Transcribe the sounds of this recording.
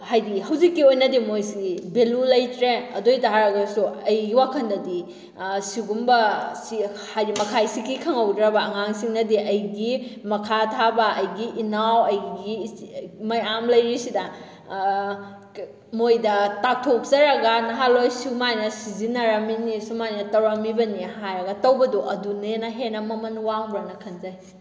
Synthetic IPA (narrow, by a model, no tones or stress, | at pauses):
hajdihɐwzikːiojnɐdimojsiɡibelulɐjtɾeɐdojtaɦaɾɐɡɐsuɐjɡiwakʰɐndɐdi | siɡumbɐsi | hajdimɐkʰajsikikʰɐŋɐwdɾɐbɐɐŋaŋsiŋnɐdiʔɐjɡimɐkʰatʰabɐɐjɡiʔinawɐjɡi | mɐjamlɐjɾisidɐ | mojdɐtatʰok̚zɐɾɐɡɐnɐɦalojsumajnɐsizinɐɾɐminisumajnɐtɐwɾɐmibɐnihajɾɐɡɐtɐwbɐduʔɐdunenɐɦenɐmɐmɐnwaŋbɾanɐkʰɐnzaj